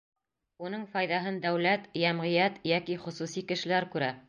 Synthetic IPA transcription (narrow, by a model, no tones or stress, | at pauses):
unɤɴfɑjðɑɦɤnd̪æwlæt̪jæmʁĭjæt̪jækiχŏsusikɘ̆ʃɘ̆læɾkʉɾæ